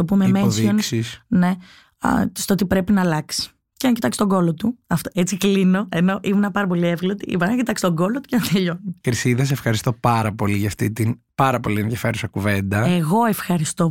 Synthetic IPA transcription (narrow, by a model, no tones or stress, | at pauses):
t̪opumemesonsisne̞̰ | st̪oot̪ipɾe̞pinɐːlɐksi̥ | ceɐɲcit̪ɐkst̪oɡo̞lot̪uɐft̪oet͡siklino̞e̞no̞ʔimunɐpɐɾɐpolievɣlot̪iḭpɐɐcit̪ɐkst̪o̞ɡo̞lot̪u̥cenɐt̪ieʎonukɾisiðɐs̬efxɐɾist̪o̞pɐɾɐpo̞liʝɐft̪it̪inpɐɾɐpo̞lienðjɐfe̞ɾusɐkuvend̪ɐeɣo̞e̞fxɐɾist̪o̞